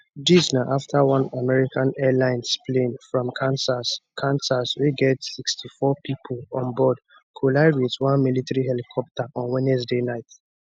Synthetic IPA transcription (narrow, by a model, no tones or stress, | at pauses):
disnaʔaftʰawãnamɛɹikʰãnɛlãɪ̃nsplẽnfɹɔ̃mkʰãnsaskʰãnsaswiɡɛtsikstʰifɔpʰipʰlɔ̃nbɔd | kʰulaɪɹitwãnmilitaɹiɦɛlikʰɔp̚tʰaʔɔ̃nwɛ̃nɛsdenaɪt